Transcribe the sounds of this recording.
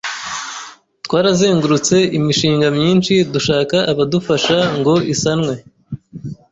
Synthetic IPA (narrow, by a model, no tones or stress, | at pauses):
twaːɾazeːŋɡuɾut͡se̞imiʃiːŋɡamɲiːnʃiduʃaːkaʔːβadufaʃaŋɡo̞ʔisanŋwe̞